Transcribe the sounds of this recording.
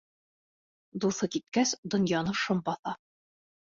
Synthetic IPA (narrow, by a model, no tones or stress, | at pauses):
d̪uθɤkit̪̚kæsd̪ɤ̆njɑnɤʃɤmbɒθɑ